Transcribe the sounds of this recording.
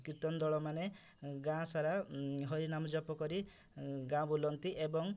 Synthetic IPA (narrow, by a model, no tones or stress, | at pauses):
kit̪ɔnd̪ɔɭɔmane | ɡãsaɾaɦɔɾinamɔd͡ʒɔpɔkɔɾi | ɡãbulɔnt̪iʔebɔŋ